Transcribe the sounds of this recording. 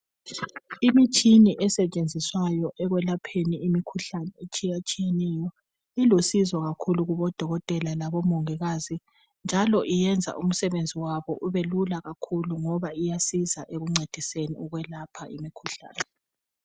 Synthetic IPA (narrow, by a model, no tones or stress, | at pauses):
imit͡ʃʼʰiniʔɛsɛt͡ʃʼend͡zʱiswajɔʔɛɣwɛlapʰeniimikʰuɬanɛet͡ʃʼijat͡ʃʼijenɛjɔ | ilosizɔɣakʰuluɣuβɔd̥ʱɔɣɔtʼɛlalaβɔmɔŋɛɣaːzi | nd͡ʒʱalɔʔijɛnd͡zʱa̰ʔum̩sɛβend͡zʱiwaβɔʔuβelulaɣakʰuluŋɔβaijasizaʔeɣuŋ͡ǀʱed̥ʱisenḭuɣwɛlapʰaʔimikʰuɬa̰ːnɛ